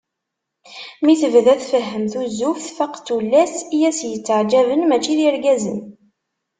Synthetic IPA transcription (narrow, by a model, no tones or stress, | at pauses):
miθəvðæθfəɦːəmθuzːufθfəqt͡sːulːæsijæsjət͡sːəʕd͡ʒævənmæt͡ʃːiðiəɾɡæzə̰n